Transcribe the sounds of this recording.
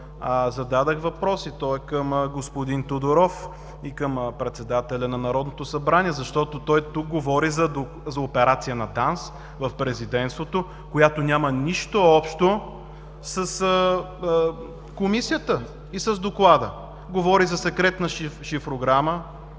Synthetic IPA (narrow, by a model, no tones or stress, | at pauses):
azɐd̪ad̪əxvɐpɾɔsit̪ɔɛkəmɡospʊd̪int̪od̪ʊɾɔf | ikəmpɾɛt̪sɛd̪at̪ɛlʲɐnɐnɐɾɔd̪not̪osɐbɾaniɛzɐʃt̪ɔt̪ot̪ɔjt̪uk̚ɡovɔɾizɐd̪o | zɐopɛɾat̪sijənɐt̪ans | vɐfpɾɛzid̪ɛnt̪st̪vot̪o | kojat̪onʲaməniʃt̪oɔpʃt̪o | sɐsə | komisijət̪ə | isɐzd̪oklˠad̪ə | ɡovɔɾizɐsɛkɾɛt̪nɐʃʃifɾoɡɾamə